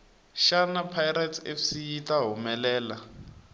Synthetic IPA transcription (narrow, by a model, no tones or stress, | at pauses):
ʃanapʰajɾatʰḛfsijitaɦumɛlɛːla